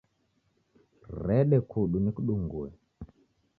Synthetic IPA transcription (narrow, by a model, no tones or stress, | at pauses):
rɛɗɛkʰuɗunikuɗuŋɡuɛ̰